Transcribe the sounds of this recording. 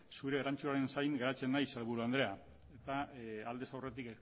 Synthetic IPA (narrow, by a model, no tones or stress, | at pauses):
suɾe̞ɾant͡suaɾe̞nsajŋɡeɾat͡se̞nːajselβuɾuand̪ɾe̞a | e̞t̪aald̪e̞sawre̞t̪ik